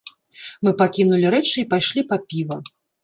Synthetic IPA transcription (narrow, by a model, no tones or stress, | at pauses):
mɨpakʲinulʲiɾɛt͡ʂɨipajʂlʲipɐpʲivɐ